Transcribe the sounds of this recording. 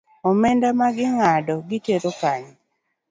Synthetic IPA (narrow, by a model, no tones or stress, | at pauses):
ɔmɛndamaɡɪŋadɔɡɪteɾokaɲɛ